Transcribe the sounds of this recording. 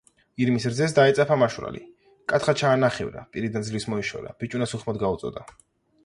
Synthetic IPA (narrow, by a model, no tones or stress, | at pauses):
iɾmisɾd̪zɛs̬d̪aɛt̪sʼapʰamaʃuɾa̰lḭ | kʼat̪ʰχat͡ʃʰaːnaχɛ̰vɾa̰pʼiɾid̪anzlismɔiʃɔ̰ɾa̰b̥it͡ʃʼunasuχmɔd̪ɡaut̪sʼɔ̰d̪a